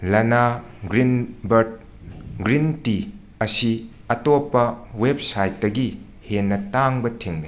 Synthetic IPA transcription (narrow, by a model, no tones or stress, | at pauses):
lɐna | ɡɾinbɐɾt̚ | ɡɾinti | ɐsi | ɐtopːɐweb̚sajt̚dɐɡi | henːɐtaŋbɐtʰeŋbe